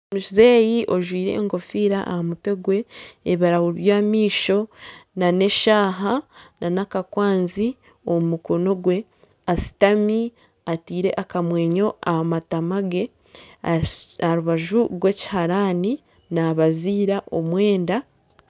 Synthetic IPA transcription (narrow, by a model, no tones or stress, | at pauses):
omuʃize̞ːjiʔo̞ʒwiːɾe̞̰ŋɡo̞fiːɾaʔa̰hamute̞ɡwe̞ːβiɾawuβjaːmiːʃo̞nane̞ʃaːɦanʔanakakwaːnzi | o̞mumuko̞no̞ɡwe̞ | asi̥tami | atiːɾe̞̰ʔakamwe̞ːɲo̞ahamatamaɡe̞ | aɾuβaʒuɾɡwe̞ːci̥haɾaːni | naβaziːɾaʔo̞mwe̞ːnda